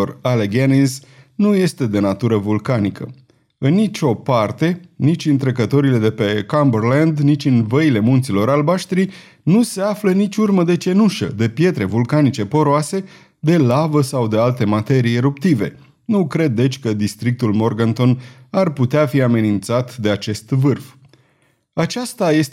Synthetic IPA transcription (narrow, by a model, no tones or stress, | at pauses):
oraleɡeniznuje̞st̪e̞d̪e̞nat̪uɾəvulkanikʰə̰ | ɨnːit͡ʃʲo̞part̪e̞nit͡ʃʲɨnt̪ɾekət̪o̞ɾile̞d̪e̞pe̞kambərland̪nit͡ʃʲɨnvəile̞munt̪silo̞ɾalbaʃt̪ɾij | nuse̞aflənit͡ʃʲurməd̪e̞t͡ʃe̞nuʃə̰d̪e̞pje̞t̪ɾe̞vulkanit͡ʃe̞po̞ɾoase̞ | d̪e̞lavəsawd̪ealt̪e̞mat̪e̞ɾijeɾupt̪ive̞̰ | nukɾe̞d̪ːe̞t͡ʃʲkəd̪ist̪ɾik̚t̪ulmo̞rɡant̪o̞narput̪eafiame̞nint̪sat̪d̪e̞at͡ʃe̞st̪vɨrf | at͡ʃast̪aje̞s